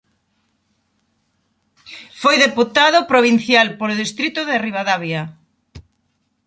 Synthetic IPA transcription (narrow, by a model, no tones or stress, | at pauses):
fojðeput̪aðʊpɾoβin̟θjalpoloðist̪ɾit̪ʊðeriβaðaβja